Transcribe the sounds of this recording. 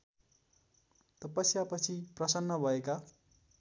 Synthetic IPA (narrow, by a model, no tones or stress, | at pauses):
t̪ʌpʌsiapʌt͡sʰiprʌsʌnːʌbʱʌeka